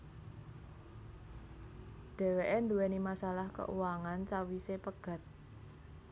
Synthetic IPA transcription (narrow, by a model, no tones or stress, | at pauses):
ɖ̥ɛ̤weʔend̪uwenimasalahkə̰ʔṵwaŋant͡ʃawisepəɡ̥ä̤t̪̚